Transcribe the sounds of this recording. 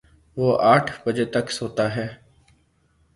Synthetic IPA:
ʋoːʔaːʈʰbəd͡ʒeːt̪əksoːt̪aːɦɛː

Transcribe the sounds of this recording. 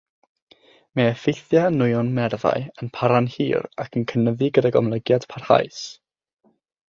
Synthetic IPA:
mɛɛfejθjanʊjɔnmɛrða̰ɨənpʰaɾanhḭːɾakʰənkʰənəðiɡədaɡɔ̰mlˠəɡjad̥pʰar̥ha̰js

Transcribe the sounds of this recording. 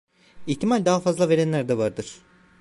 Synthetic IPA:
içt̪ʰimalʲd̪aːafazlˠave̞ɾænlʲæɾd̪ɛvaɾd̪ɯɾ̥

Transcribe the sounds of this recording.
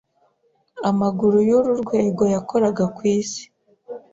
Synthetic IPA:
amaɡuɾujoɾuɾɡwe̞ːɡo̞jako̞ɾaɡakwiːsi̥

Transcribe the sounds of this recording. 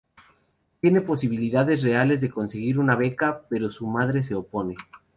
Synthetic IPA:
t̪je̞ne̞po̞siβ̞iliðaðe̞s̬re̞ale̞zðe̞ko̞nse̞ɣiɾunaβe̞kape̞ɾo̞sumaðɾe̞s̬e̞o̞po̞ne̞

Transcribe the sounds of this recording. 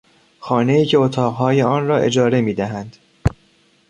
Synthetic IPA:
xɒːneiːcʰe̞ot̪ʰɒːʁɦɒːje̞ɒːnrɒːʔe̞̰d͡ʒɒːɾe̞miːd̪æɦænd̪̥

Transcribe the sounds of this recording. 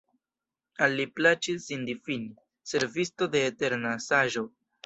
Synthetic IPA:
alːiplat͡ʃisːindifini | se̞ɾvisto̞de̞ːte̞ɾnasaʒo̞

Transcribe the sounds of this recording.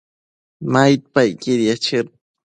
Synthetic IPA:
majt̪̚pajkiɾjat͡ʃɪɾ

